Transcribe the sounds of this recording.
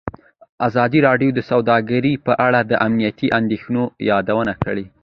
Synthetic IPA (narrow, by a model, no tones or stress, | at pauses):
azɑd̪iɾɑɖjod̪əsawd̪ɑɡaɾipəʔaɽad̪əʔamnijat̪iʔand̪exnojɑd̪awənakəɽe